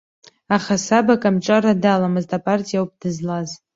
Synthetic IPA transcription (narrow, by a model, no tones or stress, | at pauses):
aχasabakʼamʈ͡ʂʼaradalamɨztʰʼapʼartʼijawp̚ʼd̥ɨzlaz